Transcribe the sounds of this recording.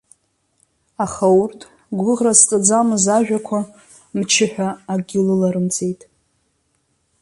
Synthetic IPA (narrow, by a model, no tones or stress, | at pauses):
aχawrtʼʰ | ɡʷʊʁrast͡sʼad͡zamɨzaʒᶣakʷʰa | mt͡ʃʰɪħʷᶣaːɡʲɪlɨlaɾɨmt͡sʼe̞jtʼ